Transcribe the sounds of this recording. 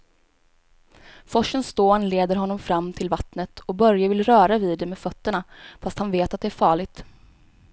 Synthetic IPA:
fɔʂːənst̪oːnleːd̪əɾɦɔnːɔmfɾamːt̪ʰɪlvat̪nət̪ʰɔbœɾjavɪlɾœːɾaviːd̪ːɛmeːfœt̪ːəɳafast̪hanveːt̪at̪̚d̪ɛæɾfɑːɭɪɡ̚t̪

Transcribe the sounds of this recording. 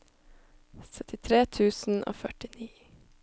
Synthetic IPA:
sœt̪ʰɪt̪ʰɾeːt̪ʰʉːsn̩ʔo̰ːfœʈɪniː

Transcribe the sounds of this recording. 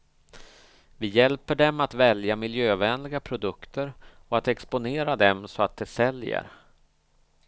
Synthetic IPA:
vɪjɛlpəɖɛmat̪vɛljamɪljøːvɛːnlɪɡapʰɾʊd̪ɵkt̪ʰəɾɔat̪ɛkspʊneːɾad̪ɛmsɔat̪̚d̪ɛsɛljə̰ɾ

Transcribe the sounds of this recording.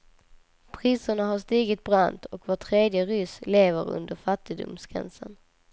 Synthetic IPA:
pʰɾiːsəɳaɦaʂt̪iːɡɪt̪̚bɾant̪ʰɔkvoːʈʰɾeːd̪jəɾʏsleːvəɾɵ̰nd̪əɾfat̪ːɪd̪ʊ̰msɡ̥ɾɛ̰nsən

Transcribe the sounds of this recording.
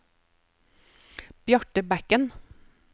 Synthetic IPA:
b̥jɑʈəbækən

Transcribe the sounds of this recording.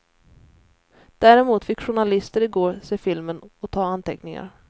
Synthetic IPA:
d̪̥æːɾɛmuːt̪fɪkːɧʊɳalɪst̪əɾɪɡoːɾseːfɪlmənɔt̪ʰɑːant̪ʰɛknɪŋa̰ɾ

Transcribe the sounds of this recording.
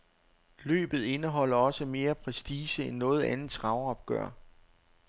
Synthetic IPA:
lø̰ːb̥ð̞̩ˠe̝nəɦɒ̽l̰ɐɒ̽səme̝ːɐpʰʁɛsd̥iːsəenːɔ̽ːð̩ˠænð̩ˠt͡sʰʁɑ̈ʊɐɒb̥̚ɡ̥œ̰ɐ̰

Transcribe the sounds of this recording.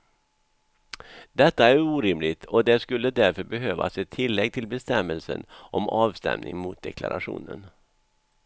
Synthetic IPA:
d̪ɛt̪ːaæɾuːɾɪmlɪɡt̪ʰɔd̪ɛskɵlːəd̪æɾfœɾbɛɦøːva̰sɛt̪ʰːɪlːɛɡ̚t̪ʰɪlbɛst̪ɛmːəlsə̰nʔɔmʔɑːvst̪ɛ̰mnɪŋmʊt̪̚d̪ɛkʰla̰ɾʔaɧṵːnən

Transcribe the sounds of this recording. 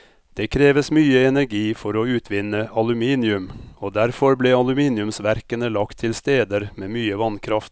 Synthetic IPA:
d̪̥eːkʰɾeːʋəsmyːəɛnæɾɡiːfɔɾoːʉːt̪ʰʋɪnːəɑlʉmiːnɪʉmoːd̪æɾfɔɾbleːɑlʉmiːnɪʉmsʋæɾkənəlɑkt̪ʰːɪlst̪eːd̪əɾmeːmyːəʋɑnkʰɾɑft̪

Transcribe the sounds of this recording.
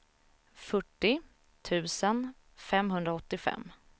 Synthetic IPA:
fœʈːɪ | t̪ʰʉ̟ːsən | fɛmɦɵnd̪ɾaɔt̪ːɪfɛ̰mː

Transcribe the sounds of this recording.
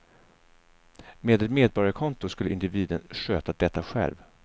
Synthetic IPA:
meːd̪ɛt̪meːd̪̚bɔɾjaɾkʰɔnt̪ʊskɵlːəɪnd̪ɪviːd̪ənʂøːt̪ad̪ɛt̪ːaɧɛ̰lv

